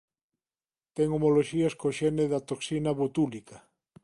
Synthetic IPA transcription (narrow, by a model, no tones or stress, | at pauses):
t̪ɛŋomoloʃiaskoʃɛneðat̪oksinaβut̪ulikɐ